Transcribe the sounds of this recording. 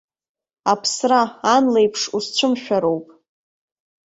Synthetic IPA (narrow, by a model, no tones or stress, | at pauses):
apʰsraːnlejpʰʂust͡ɕʷʰʊmʃᶣaɾo̞wpʼ